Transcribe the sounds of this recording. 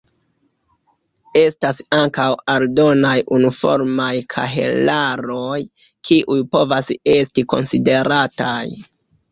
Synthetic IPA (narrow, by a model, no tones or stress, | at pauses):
e̞stasaŋkawaldo̞najʔunifo̞̰ɾmajkʰa̰ɦḛlaɾoj | kʰiʔujpo̞vase̞stiko̞̰nside̞ɾataj